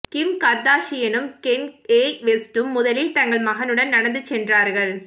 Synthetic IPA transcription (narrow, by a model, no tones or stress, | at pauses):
kɪmkɐɾd̪aːʂɪjɛnɯmkɛneːʋesʈɯmːʊðɐlɪlt̪ɐŋɡɐɭmɐɣɐnɯɽɐnnɐɽɐnd̪ɯt͡ʃːɛndraːɾɣɐɭ